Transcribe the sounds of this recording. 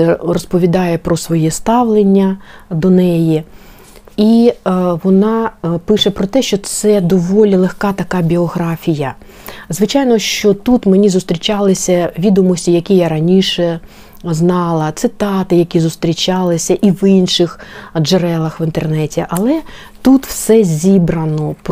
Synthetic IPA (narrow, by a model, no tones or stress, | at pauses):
rɔspɔʋʲid̪ɑjɛpɾɔsʋɔjɛst̪ɑʋlˠenʲːɐd̪ɔnɛji | iʋɔnɑpɪʃɛpɾɔt̪ɛʃt͡ʃɔt̪sɛd̪ɔʋɔlʲilˠexkɑt̪ɐkɑbʲiɔɦɾɑfʲijɐ | zʋɪt͡ʃɑjnɔʃt͡ʃɔt̪ut̪menʲizʊst̪ɾʲit͡ʃɑlˠɪsʲɐʋʲid̪ɔmɔsʲtʲijɐkʲijaɾɐnʲiʃɛ | znɑlˠɐt̪sɪt̪ɑt̪ɪjɐkʲizʊst̪ɾʲit͡ʃʲɑlˠɪsʲɐʔiʋinʃɪxd͡ʒeɾɛlˠɐxʋɪnt̪ernɛtʲiʔɐlˠɛ | t̪ut̪wsɛzʲibɾɐnɔp